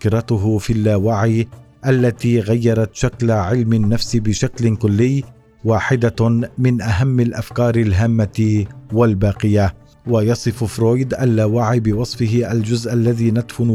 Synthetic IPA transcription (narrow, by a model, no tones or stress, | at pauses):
kɪɾˤɑt̪ʊɦʊfilːawaʕiː | ʔalːat̪iːɣajːɑɾˤɑt̪ʃaklaʕɪlmɪnːafsɪbɪʃaklɪkʊlːɪjː | waːħɪd̪amɪnʔaɦamːalʔafkɑːɾˤɪlɦaːmːawalbaːqɪja | wajɑsˤɨffɾoːjd̪ʔalːawaʕiːbɪwɑsˤfɪɦɪʔald͡ʒʊzʔalːaðiːnad̪fʊn